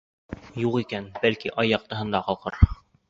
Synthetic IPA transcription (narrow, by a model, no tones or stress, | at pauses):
juqikænbælkiʔɑjːɑq̚t̪ɤ̆ɦɤ̆nd̪ɑqɑlˠqɤɾ